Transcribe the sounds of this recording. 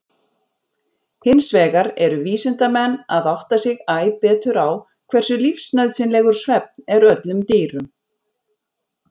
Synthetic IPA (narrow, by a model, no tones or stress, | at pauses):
hɪnsvɛːɣaɾɛɾʏviːsɪnt̪amɛnːaðawht̪asɪɣaːjpɛːt̪ʏɾaw | kʰvɛr̥sʏlifsnœɥðsɪnlɛɣʏɾ̥svɛp̚nɛɾœt̪lʏmt̪eːɾʏm